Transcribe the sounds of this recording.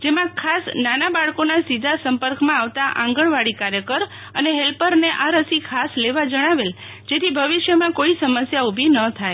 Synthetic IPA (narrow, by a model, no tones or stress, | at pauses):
d͡ʒemãkʰasnanabaɭkonasid̪ʱasəmpəɾkmãaʋt̪aʔã̰ŋɡəɳʋaɽikaɾjəkəɾ | əneɦelpəɾneʔaɾəsikʰasleʋad͡ʒəɽ̃aʋel | d͡ʒet̪ʰibʱəʋiʃjəmãkoisəməsjaubʱinət̪ʰaj